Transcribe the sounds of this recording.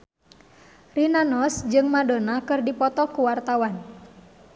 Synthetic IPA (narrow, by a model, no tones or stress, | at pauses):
rinanɔsd͡ʒɨŋmadonakɨrdipɔt̪ɔkuwart̪awan